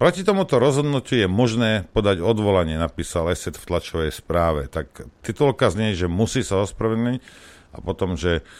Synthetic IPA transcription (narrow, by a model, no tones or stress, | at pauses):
pɾɔcit̪ɔmut̪ɔɾɔzɦɔd̪nucujɛmɔʒnɛːpɔd̪aɟɔd̪ʋɔlaɲɪɛnapiːsalɛsɛt̪ft̪lat͡ʃɔʋɛjspɾaːʋɛ̰t̪akt̪it̪ulkazɲɛʒɛmusiːsaɔspɾɔʋɛd̪nic | a̰pɔt̪ɔmʒɛ